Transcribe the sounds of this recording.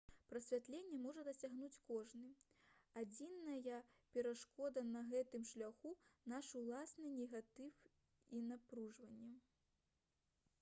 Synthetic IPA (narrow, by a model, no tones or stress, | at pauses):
pɾɐsʲvʲat̪lʲenʲːɛmɔʐɐd̪ɐsʲaɣnut͡sʲkɔʐnɨ | ad͡zʲinːɐjɐpʲɛɾaʂkɔd̪ɐnɐɣɛt̪ɨmʂlʲaxunaʂulˠasnɨnʲɛɣat̪ɨf | inapɾuʐvɐnʲːɛ